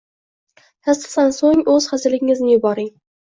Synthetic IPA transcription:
t̪ʰast̪ɨ̥χt̪ansoŋɵz̥χazɪlɪɡʲɪŋɪznɪjʊbɒɾɪŋ

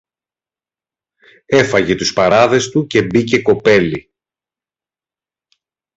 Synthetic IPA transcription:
e̞fɐʝe̞t̪uspɐɾɐðe̞st̪uce̞bice̞ko̞pe̞li

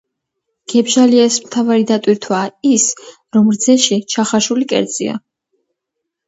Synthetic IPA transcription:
ɡ̥ɛbʒaliɛsmt̪ʰavaɾid̪at̪ʼwiɾt̪ʰwaːis | ɾɔmɾd̪zɛʃit͡ʃʰaχaʃulikʼɛ̰ɾd̪zʼḭa̰

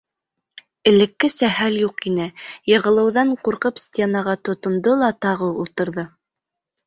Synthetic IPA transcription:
ɘ̆lɘ̆kːɘsæhæljuqinɘjɤ̆ʁɤ̆lˠɤ̆wðɑɴquɾqɤpsʲtʲenɑʁɑt̪ŏt̪ŏnd̪olˠɑt̪ɑʁɤulˠt̪ɤ̆ɾðɤ

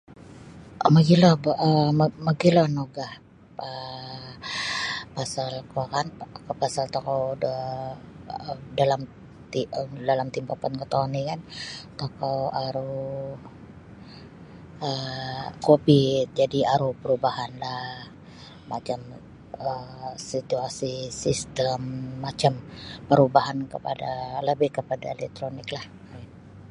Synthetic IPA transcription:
maɡilɔhbʔəmmaɡilohnoɡah | ə | pasalkokankpasalt̪okowə | dalam | t̪idalamt̪impapankət̪onikant̪okawaɾu | əkobit̪̚d͡ʒadiaɾupəɾubahanlah | mat͡ʃam | əsit̪uasisist̪əmːat͡ʃampəɾubaɦankəpa̰daləbɪhkəpada̰elɛk̚t̪ɾonɪklah

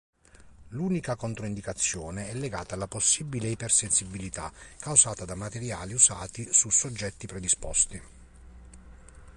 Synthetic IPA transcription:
luːnikakont̪ɾoind̪ikat̪sːjɔːneɛlːeɡaːt̪aːlːaposːibileipersensibːilit̪akːawsaːt̪ad̪amat̪eɾjaːliusaːt̪isusod͡ʒːɛt̪ːipɾed̪ispɔ̰st̪i

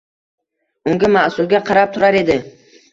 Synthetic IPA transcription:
ʊŋɡʲamaʔsʊlˠɡʲaqʰɑɾap̚t̪ʰʊɾaɾe̞d̪ɪ

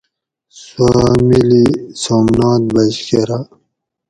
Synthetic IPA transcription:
swamilisomnɑːt̪̚bɐd͡ʑkeɾa

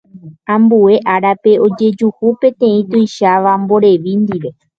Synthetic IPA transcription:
ãmbue̞ʔaɾape̞ʔo̞d͡ʒe̞d͡ʒuhupẽ̞t̪ẽ̞ĩt̪ojʃaʋambo̞ɾe̞ʋind̪iʋe̞

